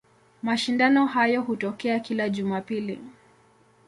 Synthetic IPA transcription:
maʃindanɔɦajɔɦutɔkɛakilaʄumapilḭ

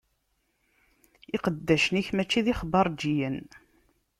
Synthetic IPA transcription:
ɪqəd̪ːæʃəniçmæt͡ʃːiðiχəbɑɾˤd͡ʒijən

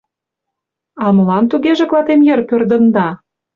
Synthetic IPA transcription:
ɑmə̆lɑnt̪uɣeʒĕklɑt̪emjərpørd̪ə̆nd̪ɑ

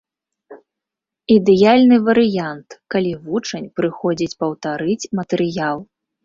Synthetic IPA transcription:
id̪ɛjalʲnɨvɐɾɨjant̪kalʲivut͡ʂɐnʲpɾɨxɔd͡zʲit͡sʲpɐwt̪aɾɨt͡sʲmɐt̪ɛɾɨjalˠ

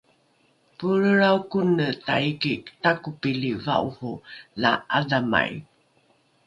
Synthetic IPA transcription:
puɾəɾaukunətaikiktakupiliva̰uhula̰adama̰j

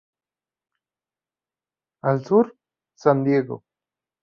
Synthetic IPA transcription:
alsuɾ | sand̪jeɡo̰

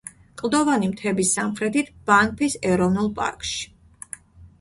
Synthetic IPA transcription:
kʼlˠd̪ɔvanimt̪ʰɛbisːamχɾɛt̪ʰit̪ʰb̥aŋk̚pʰisɛɾɔvnulˠpʼa̰ɾkʼʃi̥

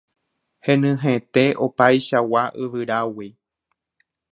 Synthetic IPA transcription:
hẽ̞nɨ̃ɦẽt̪eʔopajʃawaʔɨʋɨɾawi

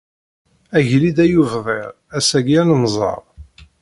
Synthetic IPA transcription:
æʝlid̪æjuvðˤeʁ | æsæɡjænəmzˤɑ̰ɾˤ

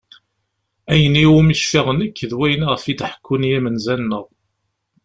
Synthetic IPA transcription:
æjəniwumiçfiʁənəkːəðwæjniʁəfid̪ħə̥kʰːunijæmənzænːəʁ

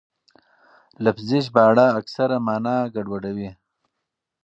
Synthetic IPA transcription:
lafzɪʃ̬bɑːɽaːksaɾamɑːnaːɡaɖwaɖawi

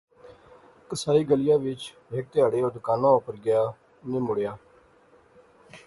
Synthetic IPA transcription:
kəsaːiːɡəlɪjaːʋɪt͡ʃ | ɦɪk̚t̪ɪaːɽeːoːd̪ʊkaːnãːʊpəɾɡɪjaː | nĩːmʊɽjaː

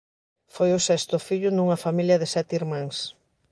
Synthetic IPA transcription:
fojʊsɛst̪ʊfiʎʊnuŋɐfamiljɐðɪsɛt̪iɾmãŋs

